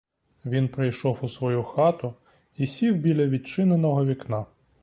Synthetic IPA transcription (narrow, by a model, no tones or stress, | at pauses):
ʋʲinpɾɪjʃɔwʊsʋɔjuxɑt̪ʊ | isʲiwbʲilʲɐʋʲid̪̚t͡ʃɪnenɔɦɔʋʲiknɑ